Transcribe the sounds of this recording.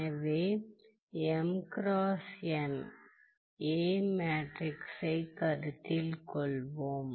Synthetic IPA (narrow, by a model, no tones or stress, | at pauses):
ʋeː | ɛmkɾaːsjɐn | eːmaːʈɾɪksɐɪkɐɾɯt̪ːɪlkɔɭʋoːm